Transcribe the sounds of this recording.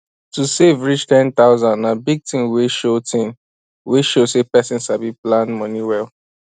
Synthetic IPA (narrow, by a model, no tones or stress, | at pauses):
tusevɹit͡ʃtɛ̃nt̪aʊzãndnabiɡ̚tĩmweʃotĩm | weʃosepɛsĩnsabiplãndmɔ̃niwɛl